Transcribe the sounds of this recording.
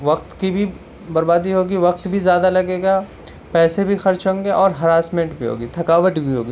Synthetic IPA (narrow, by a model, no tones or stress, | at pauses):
ʋɐqt̪kibʱi | bɐɾbaːd̪iɦoːɡiʋɐqt̪bʱizjaːd̪alɐɡeːɡaː | pɛːsebʱixɐɾt͡ʃɦõːŋɡeʔɔːɾɦɐɾaːsmẽɳʈbʱiɦo̰ːɡit̪ʰɐkaːʋəʈbʱiɦo̰ːɡiː